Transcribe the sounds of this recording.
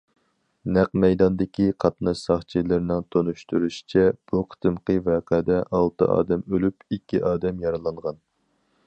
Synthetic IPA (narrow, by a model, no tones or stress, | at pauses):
næqmɛjd̪ɑnd̪ɪkʲiqʰɑt̪nɑʃsɑχt͡ʃʰilɪɾɪnɪŋt̪ʰonuʃt̪uɾyʃi̥t͡ʃʰɛb̥uqʰt̪ʰɨmqəvɛːqʰɛd̪ɛʔɑlˠt̪ɨ̰ʔɑ̰ːd̪ɛmølypikʲːiʔɑːd̪ɛmjɑɾɨlˠɑɴʁɑn